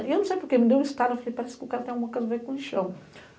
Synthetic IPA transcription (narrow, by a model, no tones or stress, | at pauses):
ewnɐ̃sejpoɾkemɪd̪ewist̪ad̪ʊeflejpaɾɛsɪ̥kɪʊkaɾɐt̪ẽɐ̃ɡũmɐkojzɐvejkõĩʃɐ̃w̃